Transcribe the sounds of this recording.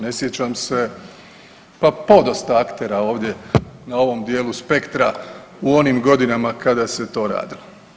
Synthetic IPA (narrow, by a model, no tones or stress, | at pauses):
ne̞sjet͡ɕamse̞ | papo̞d̪ost̪aakt̪eɾao̞ːʋd̪je̞nao̞ʋo̞md̪je̞ːluspe̞kt̪ɾa | uo̞nimɡo̞d̪inamakad̪ase̞t̪o̞ːɾa̰ːd̪ilo